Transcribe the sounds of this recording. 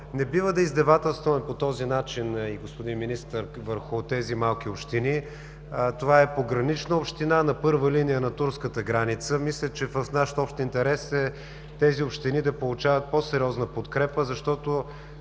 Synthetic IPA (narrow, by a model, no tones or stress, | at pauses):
nɛbivəd̪ɐizd̪ɐvat̪ɛlˠst̪vəmɛpot̪ɔzinat͡ʃiniɡospod̪inminist̪əɾvəɾxʊt̪ɛzimalˠk̟ʲiopʃt̪ini | t̪ovaɛpoɡɾɐnit͡ʃnəopʃt̪inanɐpɤɾvəlinijənɐt̪uɾskət̪əɡɾanit̪səmislʲət͡ʃɛvəfnaʃt̪ɔpʃt̪int̪ɛɾɛsɛ | t̪ɛziopʃt̪inid̪ɐpolˠut͡ʃavət̪̚pɔsɛɾʲiɔznəpot̪kɾɛpəzɐʃt̪ɔt̪o